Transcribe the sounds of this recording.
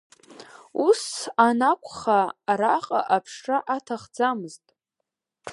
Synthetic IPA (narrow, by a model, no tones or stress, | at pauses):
usanakʷʰʼχaɾaqʼa̰ʔapʰʂʂaʔatʰaχd͡zamɨztʼ